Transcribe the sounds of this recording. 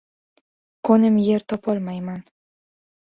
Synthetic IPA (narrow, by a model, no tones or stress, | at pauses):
konɪmjeɾt̪ɒpɒlˠmajman